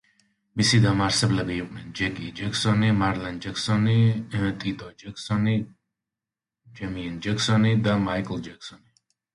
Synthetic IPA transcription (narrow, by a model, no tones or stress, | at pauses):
misid̪amaɾsɛblɛbiːqʼnɛnd͡ʒɛɡid͡ʒɛksɔnimaɾlɛnd͡ʒɛksɔnit̪ʼit̪ʼɔd͡ʒɛksɔni | d͡ʒɛmiɛnd͡ʒɛksɔnid̪amajkʼld͡ʒɛksɔni